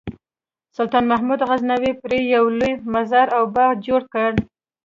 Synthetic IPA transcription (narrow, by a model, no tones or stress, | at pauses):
sʊlt̪ɑnmaɦmud̪ɣaznawipɾejawlujmazaɾawbɑd͡ʒoɽkəɽ